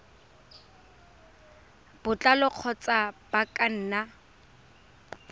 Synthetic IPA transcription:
b̥ʊt͡ɬʼalɔq͡χʰɔt͡sʼab̥akʼan̩ːna

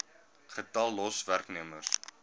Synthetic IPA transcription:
χətɐlˠːɔsværkniəmərs

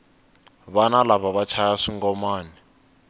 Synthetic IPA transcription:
βanalaβaβat͡ʃʰajaʂiŋɡɔmaːnɛ

